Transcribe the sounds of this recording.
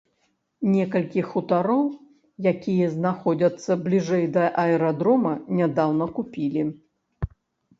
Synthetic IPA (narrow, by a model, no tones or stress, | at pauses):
nʲɛkɐlʲkʲixut̪aɾɔw | jakʲijɐznaxɔd͡zʲɐt̪sːɐblʲiʐɛjd̪ɐʔɐɛɾad̪ɾɔmɐnʲad̪awnɐkupʲilʲi